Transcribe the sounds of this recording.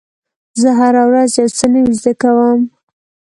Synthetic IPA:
zəɦaɾawɾazjawt͡sənawizd̪əkawəm

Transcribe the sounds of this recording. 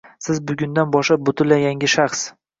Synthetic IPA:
sɪzbʊɡʲʊnd̪anbɒʃlabʊt̪ʰʊlːajʲaŋɡʲɪʃaχs

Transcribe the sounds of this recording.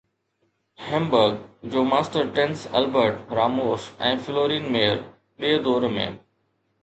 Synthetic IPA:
hɛ̃mbəɾɡd͡ʑoːmaːsʈəɾʈɛ̃nsɛlbəɾʈɾaːmoːsɛ̰̃ːfɪloːɾiːnmeːəɾ | ɓiːd̪oːɾmḛ̃ː

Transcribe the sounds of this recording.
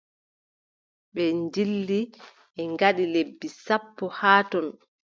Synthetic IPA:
ɓɛnd͡ʒilːi | ɛŋɡaɗilebːisapːɔhaːtɔn

